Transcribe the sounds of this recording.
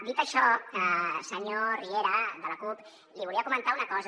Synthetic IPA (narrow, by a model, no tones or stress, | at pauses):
d̪it̪əʃɔkəsəɲorieɾəðələkup | liβuliəkumənt̪aunəkɔz